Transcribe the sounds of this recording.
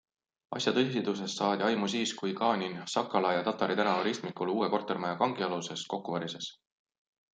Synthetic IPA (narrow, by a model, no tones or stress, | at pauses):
ɑ̰sjɑt̪ɤsid̪us̬e̞st̪ːɑːd̪̥ʲiɑjmusiːskujkɑːnʲinsɑkːˑɑlɑjɑt̪ɑt̪ːˑɑɾit̪ænɑvɑɾist̪mikuluːeko̞rt̪e̞rmɑjɑkɑŋɡ̥iɑluse̞sko̞kːuvɑɾise̞s